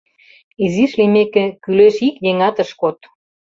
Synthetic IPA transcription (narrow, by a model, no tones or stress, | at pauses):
iziʃlimekĕkyleʃikjeŋɑt̪ə̆ʃkot̪̚